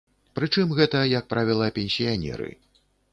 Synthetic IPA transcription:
pɾɨt͡ʂɨmɣɛt̪ɐjɐk̚pɾavʲilˠɐpʲɛnʲsʲijanʲɛ̰ɾɨ̰

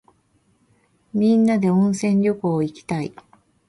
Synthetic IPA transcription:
mʲĩnːad̪e̞õɰ̃sẽ̞ɲɾʲo̞koːikʲi̥t̪aḭ

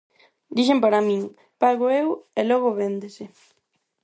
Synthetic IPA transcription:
d̪iʃ̬empaɾamĩŋ | paɣoewelɔɣ̞oβend̪esɪ

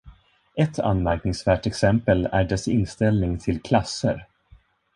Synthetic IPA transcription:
ʔɛt̪ʰːa̰nmæɾknɪŋsvæːʈɛksɛmpəlæ̰ɖɛsɪ̰nst̪ɛlnɪŋt̪ʰɪlkʰlasːə̰ɾ

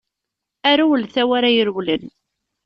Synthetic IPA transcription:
æɾuwəlθæwaɾajəɾwlən

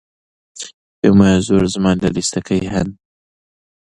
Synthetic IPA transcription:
peːmaːjazoːɾzɨmaːnlɐlist̪ɐkʰɐjɦɐn

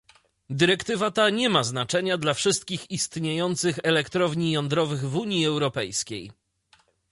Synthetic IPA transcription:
d̪ɘɾɛkt̪ɘvat̪aɲɛmaznat͡ʂɛɲad̪lafʂɘst̪̚kʲixist̪ɲejɔnt̪sɘxɛlɛkt̪ɾɔvɲijɔnd̪ɾɔvɘɣvuɲiɛwɾɔpɛjskʲej

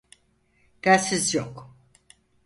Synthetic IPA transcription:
d̪̥æːsizjok

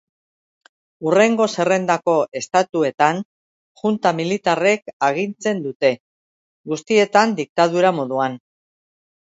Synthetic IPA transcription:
ure̞ŋɡo̞se̞re̞nd̪ako̞ʔe̞st̪at̪ue̞t̪an | ʝunt̪amilit̪are̞kaɣ̞int͡se̞nd̪ut̪e̞ | ɡust̪ie̞t̪and̪ik̚t̪aðuɾamo̞ðuan

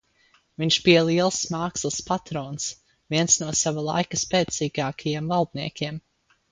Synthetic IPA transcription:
viɲʃpiɛlˠiɛlˠsmaːkslˠspat̪ɾɔːns | viɛnsnuɔsavalˠa̰jkəspɛːt̪siːɡaːkʰajiɛmvalˠd̪niɛkʲiɛm

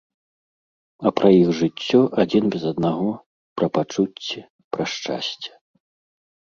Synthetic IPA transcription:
ɐpɾʔɐjixʐɨt͡sʲːɔʔad͡zʲinbʲɛzɐd̪naɣɔ | pɾɐpat͡ʂut͡sʲːi | pɾɐʂt͡ʂa̰sʲt͡sʲɛ̥

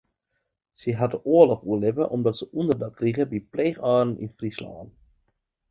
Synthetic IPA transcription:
səɦɑtəʔoərlɔχuəlɪpəʔɔmdɑtsəʔundərdɑt̚kriχəbipleːχɑːrn̩ḭnfrislɑ̰ːn

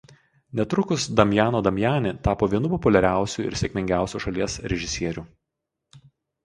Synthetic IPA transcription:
nʲɛt̪ɾʊkʊsd̪ɐmʲjæːnoːd̪ɐmʲjæːnʲɪt̪ɑːpoːʋʲiɛnʊpɔpʊlʲɛɾʲæˑʊsʲuːˑɪ̰ɾsʲɛkʲmʲɪŋʲɡʲæˑʊsʲuːʃɐlʲiɛsɾʲɛʒʲɪsʲiɛɾʲuː

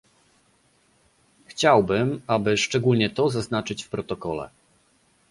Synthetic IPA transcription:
xt͡ɕawbɘmabɘʂt͡ʂɛɡulɲɛt̪ɔzaznat͡ʂɘt͡ɕfpɾɔt̪ɔkɔlɛ̰

